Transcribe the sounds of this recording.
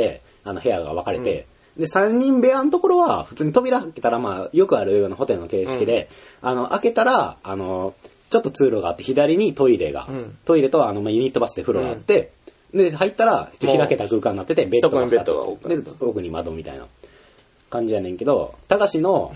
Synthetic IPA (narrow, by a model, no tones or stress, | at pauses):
t̪e̞ | anohe̞jaɡa̰β̞akaɾe̞̰t̪e̞̰ | nd̪esãɲ̟ʲːĩmbe̞ant̪o̞ko̞ɾo̞βaɸɯ̟̥t͡sɨːɲ̟it̪o̞bʲiɾaket̪aɾamaːjo̞kɯ̟aɾɯ̟jo̞ːnaɦo̞t̪e̞ɾɯ̟no̞ke̞ːɕi̥kʲid̪e̞ | ano̞ʔake̞t̪aɾaano̞ | t͡ɕo̞t̪ːo̞t͡sɨːɾo̞ɡaːt̪ːeçid̪aɾʲiɲ̟it̪o̞iɾe̞̰ɡa̰t̪o̞iɾe̞t̪o̞βːnomaːjɯ̟ɲ̟it̪ːo̞basɨ̥d̪eɸɯ̟ɾo̞ɡa̰ːt̪ːe̞ | nd̪e̞hait̪ːaɾai̥t͡ɕoçiɾake̞t̪akɯ̟ːkãnːat̪ːet̪ebe̞t̪oat̪ḛd̪eo̞kɯ̟ɲ̟imad̪omʲit̪a̰ina̰ | kãɲ̟d͡ʑijanẽ̞ŋke̞d̪o̞̰t̪aɡaɕino̞